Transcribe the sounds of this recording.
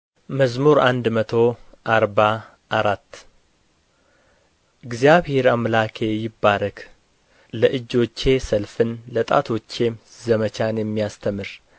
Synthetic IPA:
məzmuɾand̪mət̪ʰo̞ʔaɾba | ʔaɾat̪ː | ʔɨɡzijaβhe̞ɾamlakʰe̞jɪbːaɾəkʰ | ləʔɨd͡ʒːo̞t͡ʃːe̞səlfɨnlət̪ʼa̰t̪ʰo̞t͡ʃːe̞zəmət͡ʃanjɛmːijast̪ʰəmɨɾ

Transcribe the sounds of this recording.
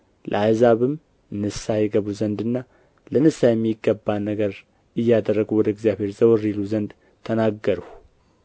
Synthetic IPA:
lʔə̰ajzaβɨm | nɨsajɛɡəβuzənd̪ɨnːa | lənɨsajɛmːjiɡːəbanəɡəɾ | ɨjːad̪ərːəɡuwɔd̪əɡzijaβhe̞ɾzəwɔɾiluzənd̪ | t̪ʰənaɡːəɾəh

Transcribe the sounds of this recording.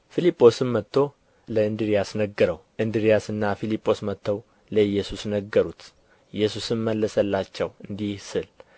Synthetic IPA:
filipʼːo̞sɨnmət̪ʰːo̞ | ləɨnd̪ɨɾijasnəɡəɾəwʔɨnd̪ɨɾijasɨnːafilipʼːo̞smət̪ʰːəw | ləjːɛsusnəɡːəɾut̪ | ɪjːɛsusɨnməlːəsəlːat͡ʃːɛwɨnd̪ihsɨl

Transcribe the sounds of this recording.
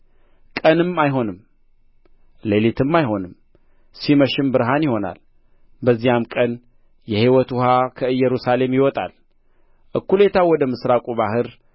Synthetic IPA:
kʼənɨmːajɦo̞nɨm | lelit̪ʰɨmːajɦo̞nɨm | siməʃɪmbɨɾɦanjɪho̞na̰l | bəzːijamkʼən | jɛhiwɔt̪ʊhakʰəɨjːɛɾusale̞mjɪwɔt̪ʼa̰l | ʔɨkːule̞t̪ʰawɔd̪əmɨsɾakʼuβahɨɾ

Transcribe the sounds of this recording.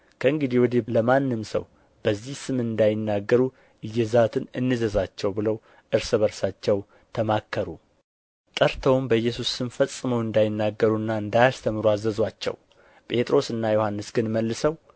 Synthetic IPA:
kʰəɨŋɡɨd̪iwɔd̪eləmanːɨmsə̰w | b̥əzːihsɨmɨnd̪ajɪnːaɡːəɾu | ʔɨjːɛzat̪ʰɨnɨnːɨzəzat͡ʃːɛwbɨləw | ʔɨɾsɨβəɾsat͡ʃːɛw | t̪ʰəmakʰːəɾu | t̪ʼəɾt̪ʰəwmbəjːɛsusːɨmfəsʼɨməwɨnd̪ajɪnːaɡəɾuɨnːaɨnd̪ajast̪ʰəmɨɾuazːəzwat͡ʃːɛ̰w | pʼe̞t̪ʼɾo̞sɨnːajohanːɨsɡ̥ɨnməlːɨsəw

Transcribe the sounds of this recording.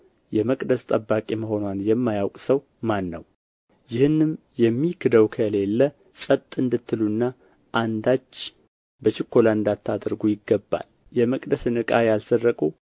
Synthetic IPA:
jɛməkʼd̪əst̪ʼəbːakʼeməɦo̞nwanjɛmːajawkʼsəw | manːəw | jɪhɨnːɨm | jɛmːikʰɨd̪əwkʰəle̞lːə | sʼət̪ʼːɨnd̪ɨt̪ʰːɨlunːa | ʔand̪at͡ʃː | bət͡ʃɪkʰːolaɨnd̪at̪ʰːad̪ɨɾɡujɪɡːəbːa̰l | jɛməkʼd̪əsɨnɨkʼajalsərːəkʼu

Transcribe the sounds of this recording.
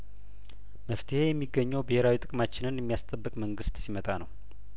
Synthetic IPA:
məft̪ʰɨhe̞jɛmːiɡːəɲːɛwbəheɾawit̪ʼɨkʼmat͡ʃːɪnɨnjɛmːijast̪ʼəbːɨkʼməŋɡɨst̪simət̪ʼanəw

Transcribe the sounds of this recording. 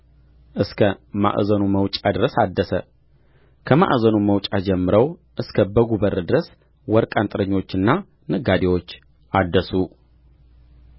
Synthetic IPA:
ʔɨskʰəma̰ʔzənuməwt͡ʃʼad̪ɨɾəsad̪ːəsə | kʰəma̰ʔzənuməwt͡ʃʼad͡ʒɛmːɨɾəwʔɨskʰəbəɡubəɾd̪ɨɾəs | wɔɾkʼant̪ʼɨɾəɲːo̞t͡ʃːɨnːa | nɨɡad̪ewo̞t͡ʃː | ad̪ːəsu

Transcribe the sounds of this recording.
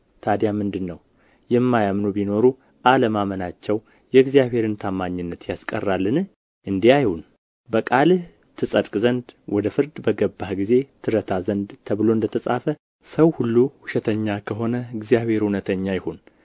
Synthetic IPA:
t̪ʰad̪jamɨnd̪ɨnːəw | jɛmːajamnubino̞ɾu | ʔaləmamənat͡ʃːɛw | jɛɡzijaβhe̞ɾɨnt̪ʰamːaɲːɨnːət̪jaskʼə̰rːalːɨnɨ | ʔɨnd̪iajhun | bəkʼalɨh | t̪ʰːɨsʼəd̪kʼzənd̪wɔd̪əfɨɾd̪bəɡəbːahɡize̞t̪ʰɨɾət̪ʰazənd̪t̪ʰəβɨlo̞ɨnd̪ət̪ʰəsʼa̰fə | səwhulːuhuʃɛt̪ʰəɲːakʰəɦo̞nəɨɡzijaβhe̞ɾhunət̪ʰəɲːajɪhon

